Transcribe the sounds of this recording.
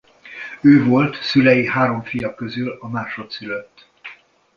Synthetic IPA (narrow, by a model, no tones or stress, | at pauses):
øːvo̞lt̪sylɛjiɦaːɾo̞ɱfijɒkøzylɒmaːʃo̞t̪syløt̪ː